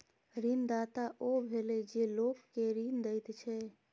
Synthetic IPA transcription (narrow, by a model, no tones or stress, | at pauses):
ɾind̪at̪aʔobʱeled͡ʒelokːeɾind̪əjt̪t͡ʃʰɛ